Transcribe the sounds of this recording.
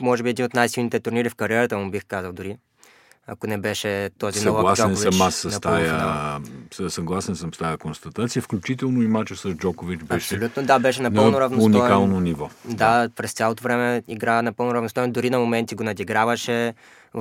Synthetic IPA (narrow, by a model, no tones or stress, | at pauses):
mɔʒɛbiɛd̪inot̪najsilˠnit̪ɛt̪uɾniɾifkɐɾiɛɾət̪əmubixkazɐlˠd̪ʊɾi | ɐ̰konɛbɛʃɛt̪ɔzisnɔvɐlˠasɔkɛnoviɐmasːɐnt̪ajə | səsɐɡlˠasɛnsəmst̪ajəkonst̪ɐt̪at̪sijəfklʲut͡ʃit̪ɛlˠnoimat͡ʃɛsɐzd͡ʒɔkovit͡ʃbɐɛʃp̪olʲut̪nod̪abɛʃɛnɐnp̪əlˠnoɾɐvnsunikalˠnonivɔd̪apɾɛst̪sʲjalˠot̪ovɾɛmɛiɡɾanɐpɤlˠnʊɾɐvnost̪ɔjnd̪ʊɾinɐmomɛnt̪iɡonɐd̪iɡɾavɐʃɛ